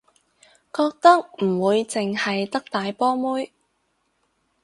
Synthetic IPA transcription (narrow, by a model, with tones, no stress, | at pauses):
kɔː˧k̚t̪ɐ˥k̚m̩˨˩wuː˨˧jt͡sɪ˨ŋhɐ˨jt̪ɐ˥k̚t̪aː˨jpɔː˥muː˥j